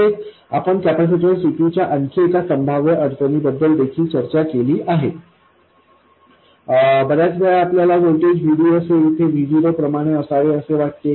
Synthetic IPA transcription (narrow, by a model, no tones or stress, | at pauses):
e | a̰pəɳkæpɾsiʈəlsiʈit͡ɕjaʔənkʰəekasəmbʱaʋjəʔəɾt̪ənibəd̪ːəld̪ekʰiːlt͡ɕəɾt͡ɕakeliːʔaɦe | bəɾjat͡sbəjaapljalaʋolʈed͡ʑʋiɽiəseit̪ʰeʋʱiʋiɾəpɾəmaɽ̃eəsaʋeəseʋaʈ̚ke